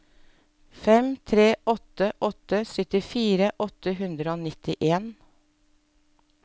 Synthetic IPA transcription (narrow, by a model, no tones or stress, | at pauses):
fɛmt̪ʰɾeːʔɔt̪əʔɔt̪əsœt̪ɪfiːɾəʔɔt̪əɦʉnd̪ɾəoːnɪt̪ɪʔeːn